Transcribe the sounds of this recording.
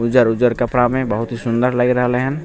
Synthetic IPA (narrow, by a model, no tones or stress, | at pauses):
ʊd͡ʒəɾʊd͡ʒəɾkəpɽamẽbəɦʊt̪ɦisʊ̃nd̪əɾləɡɾəɦleɦɛ̃n